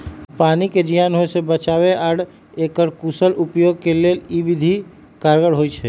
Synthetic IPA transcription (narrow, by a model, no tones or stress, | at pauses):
paniked͡ʒijanɦoesebət͡ʃaβeaɽ | ekəɾkusəlupjoɡ̚kelelibid̪ʱi | kaɾɡəɽɦojt͡ʃʰɛ